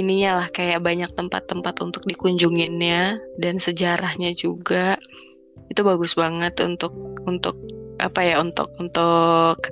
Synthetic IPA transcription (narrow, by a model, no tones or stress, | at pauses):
iniɲalahkajaʔbaɲak̚t̪əmpa̰t̪ːəmpat̪unt̪ʊk̚dikuɲd͡ʒuŋɪnɲadansəd͡ʒaɾahɲad͡ʒuɡaʔ | it̪ubaɡʊsbaŋət̪ṵnt̪ʊk̚unt̪ʊk̚a̰pajaunt̪ʊ̰k̚unt̪ʊk̚